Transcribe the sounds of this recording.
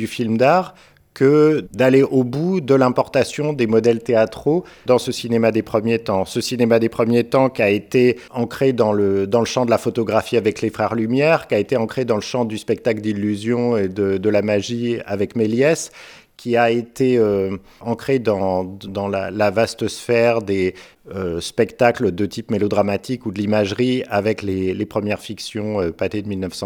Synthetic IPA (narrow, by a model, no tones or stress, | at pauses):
d̪yfilmd̪aʁ | kəd̪aleʔobud̪əlɛ̃pɔʁt̪asjɔ̃d̪emɔd̪ɛlt̪eat̪χod̪ɑ̃səsinemad̪epχəmjet̪ɑ̃səsinemad̪epχəmjet̪ɑ̃kʲiaet̪eɑ̃kχed̪ɑ̃ləd̪ɑ̃ləʃɑ̃d̪əlafɔt̪ɔɡʁafiavɛklefχɛʁlymjɛʁkʲiaet̪eɑ̃kχed̪ɑ̃ləʃɑ̃d̪yspɛk̚t̪akld̪ilːyzjɔ̃ed̪əd̪əlamaʒia̰vɛkmeljɛs | kʲʰiaet̪eø | ɑ̃kχed̪ɑ̃d̪ɑ̃la̰lavast̪əsfɛʁd̪e | øspɛkt̪akləd̪ət̪ʰipmelod̪ʁamat̪ʰikud̪əlimaʒʁiavɛklelepχəmjɛʁfiksjɔ̃øpat̪ed̪əmilnəfsɑ̃